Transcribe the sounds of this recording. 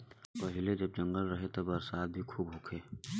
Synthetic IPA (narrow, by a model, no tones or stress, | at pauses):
pɐɦɪled͡ʒɐb̚d͡ʒɐ̃ŋɡəlɾɐɦet̪ɐbɐɾsaːt̪̚bʱikʰuːbɦʊkʰeː